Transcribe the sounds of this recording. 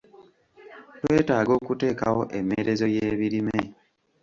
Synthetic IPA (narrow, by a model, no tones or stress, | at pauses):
twe̞ːtaːɡo̞ːkute̞ːka̰wo̞ʔe̞mːe̞ɾe̞zo̞jeːβiɾime̞